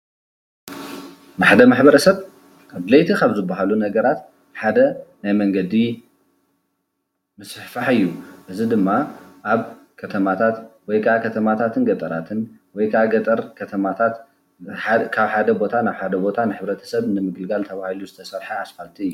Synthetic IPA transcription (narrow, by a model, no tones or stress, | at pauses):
maħd̪ɐmaħbɐɾɐsɐβ | kad̪lɐjt̪ʰikʰaβzɨbːaɦalunɐɡɐɾat̪ | ħad̪ɐnajmɐŋɡɐd̪i | mɨsħfaħɨjːuʔɨzid̪ɨmːaʔaβ | kʰɐt̪ʰɐmat̪ʰat̪wɔjkʰɐakʰɐt̪ʰɐmat̪ʰat̪ʰɨnɡɐt̪ʼɐɾat̪ʰɨn | wɔjkʰaɡɐt̪ʼɐɾkʰɐt̪ʰɐmat̪ʰat̪ | kʰaβħad̪ɐbo̞t̪ʰanaβħad̪ɐbo̞t̪ʰanɨħɨβɾɐt̪ʰɐ̥sɐβnɨmɨɡɨlɡalt̪ʰɐβahiluzɨt̪ʰɐsɐɾħaasfalt̪ʰiɨjːu